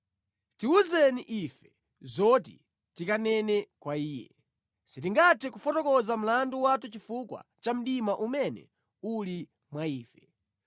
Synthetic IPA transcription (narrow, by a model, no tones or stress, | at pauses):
tiuzɛniʔifɛ | zɔt̬ḭ | tikanɛnɛkwaiːjɛ̰ | sitiŋɡatʰɛkufɔtɔkɔzam̩landuwatut͡ʃifukwa̰t͡ʃam̩ɗimaʔumɛnɛ̰ | uli | mwaiːfɛ